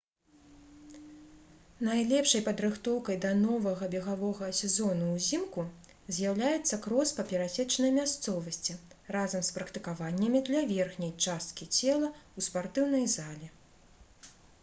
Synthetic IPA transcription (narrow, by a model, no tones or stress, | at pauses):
najlʲɛpʂɐjpɐd̪ɾɨxt̪ɔwkɐjd̪ɐnɔvɐɣɐbʲɛɣavɔɣɐsʲɛzɔnuwzʲimku | zʲjawlʲajɛt̪sːɐkɾɔspɐpʲɛɾasʲɛt͡ʂnɐjmʲast̪sɔvɐsʲt͡sʲirazɐmspɾɐkt̪ɨkavanʲːɐmʲid̪lʲɐvʲɛrxnʲɐjt͡ʂast̪̚kʲit͡sʲɛlˠɐuspart̪ɨwnɐjzalʲɛ